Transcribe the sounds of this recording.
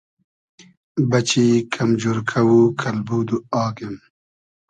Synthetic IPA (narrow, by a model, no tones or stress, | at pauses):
bɐt͡ɕikʰamd͡ʒuɾkʰɐwukʰɐlbuːd̪uɑːɡem